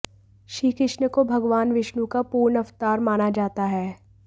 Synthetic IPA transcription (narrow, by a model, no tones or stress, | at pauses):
ʃiːkɪʃnəkobʱɐɡʋaːnʋɪʃnũkapuːɾnɐʋt̪aːɾmaːnad͡ʒaːt̪aɦɛː